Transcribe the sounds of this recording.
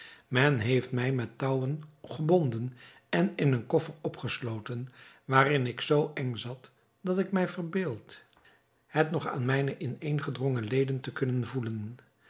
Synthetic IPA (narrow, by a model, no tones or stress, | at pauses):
mɛnɦejftmɛjmɛtːɑwənχəbɔndən | ɛnɪnənkɔfərɔpχəslowtənʋaːrɪnɪksowɛŋzɑt | d̥ɑtɪkmɛjvərbɪːlˠt | hɛtnɔχa̰ːnmɛjnəʔɪnejnχədrɔŋəlejdəntəkɵnənvulən